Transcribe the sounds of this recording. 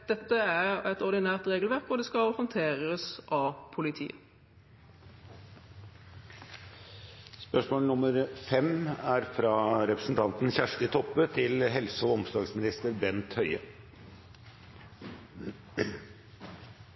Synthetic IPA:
d̪̥ɛt̪ːəæʁɛt̪ɔʁd̪ɪnæːʁt̪ʁeːɡlʋæʁkʋʊʁd̪ɛːskɑlhɔnt̪ʰeːʁəsʔɑpʰʊlɪt̪ʰḭːə | spœʂmoːlnʊmːəɾfɛmæɾfɾɑːɾɛpɾəsn̩t̪ʰɑnt̪nçæʂtət̪ʰɔpːət̪ʰɪlɦɛlsəɔɔmsd̪ɑːɡsmɪnɪst̪əɾbɛnt̪hœʏə̰

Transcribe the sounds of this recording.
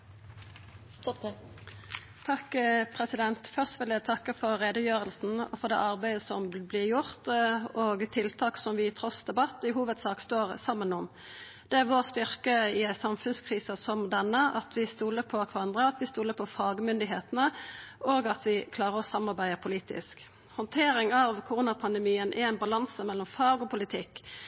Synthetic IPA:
t̪ʰɑkːpʰʁɛsɪd̪ɛnt̪fœʁst̪ʋɪlæt̪ʰɑkːəfɔɾʁeːd̪əjøːʁəlsn̩ɔfɔʁd̪ɛ̰ːʔɑʁbæɪəsɔmblɪʁjʊʁt̪oːɡt̪ʰɪlt̪ʰɑːksɔmʋɪt̪ʰʁɔsd̪ɛbɑt̪ːɪɦuːʋəd̪sɑːkst̪oːʁsɑmːənʊm | d̪̥ɛæʁʋoːʁst̪ʏʁkəɪæsɑmfʉnskʰʁiːsɑsɔmd̪ɛnːəɑt̪ʰʋɪst̪uːləpʰɔkʰʋɑɑnd̪ʁəɑt̪ʋɪst̪uːləpʰɔfɑːɡmʏnd̪ɪɦeːt̪ənəoːɡɑt̪ʋɪkʰlɑːʁəɾɔsɑmːɑɾbæɪəpʰʊliːt̪ɪ̰sk | hɔnt̪ʰeːɾɪŋɑʋkʰʊʁuːnɑpʰɑnd̪ɛmiːənʔææɪnbɑlɑnsəmɛlːɔmfɑːɡɔpʰʊlɪt̪ʰɪkː

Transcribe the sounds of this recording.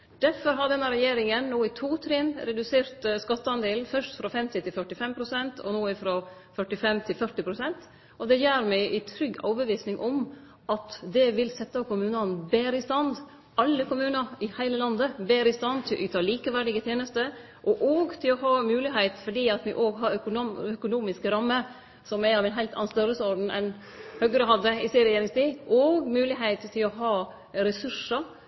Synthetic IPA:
d̪̥æɾfɔɾɦɑd̪ɛnːɑɾɛjeːɾɪŋənnoːɪt̪ʰuːt̪ʰɾɪnɾɛd̪ʉseːɾt̪skɑt̪ːəɑnd̪eːlnfœʂt̪fɾɑfɛmt̪ɪt̪ʰɪlfœʈɪfɛmpʰɾʊsɛnt̪ʰɔ̰noːɪfɾɔ | fœʈɪfɛmt̪ʰɪlfœʈɪpʰɾʊsɛnt̪ | ʔɔd̪ɛjæːɾmɛɪʔɪt̪ʰɾʏɡːɑ̰ːbəʋiːsnɪŋʔɔm | ʔɑt̪d̪ɛʋɪlsɛt̪ːɑkʊmʉːnɑnbeːɾɪst̪ɑnd̪ | ɑlːəkʊmʉːnɑɾɪhæɪləlɑnd̪əbeːɾɪst̪ɑnt̪ʰɪlɔʔʉːt̪ɑːliːkəʋæɖɪɡət̪ʰjeːnəst̪ə | ʔɔʔoːɡt̪ʰɪlɔɦɑːmʉːlɪɦɛɪt̪fɔɖiːɑt̪ʋɪʔoːɡɦɑɾœkʊœkʊnuːmɪskɾɑmːə | sɔmæɑʋɛnɦæɪlt̪ɑ̰nnst̪œɾəsɔɾɖn̩ʔɛ̰n | hœɡɾəɦɑd̪əɪseːɾɛjeːɾɪŋst̪iːʔɔːɡmʉːlɪɦɛɪt̪t̪ʰːɪlɔɦɑː | ɾɛsʉʂə

